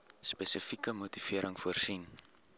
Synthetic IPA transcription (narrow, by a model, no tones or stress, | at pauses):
spesəfikəmutifiəɾʔəŋfuərsin